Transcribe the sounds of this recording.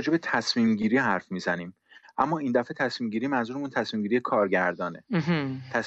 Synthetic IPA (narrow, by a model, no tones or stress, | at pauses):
d͡ʒe̞be̞t̪ʰæsmiːmɟiːɾiːɦæɾfmiːzæniːm | ʔæ̰mːɒːiːnd̪æfe̞t̪ʰæsmiːmɟiːɾiːmænzuɾemunt̪ʰæsmiːmɟiɾije̞kʰɒːɾɟæɾd̪ɒːne̞̰ɦt̪ʰæs